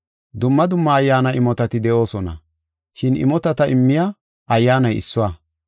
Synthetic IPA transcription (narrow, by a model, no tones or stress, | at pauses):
d̪ʊmːɐd̪ʊmːɐːjːaːnɐɪmɔt̪ɐt̪ɪd̪ɛʔo̞ːsɔnɐ̰ | ʃɪnɪ̰mɔt̪ɐt̪ɐʔɪmːɪja | ɐjːaːnɐjɪ̰sːʊwaː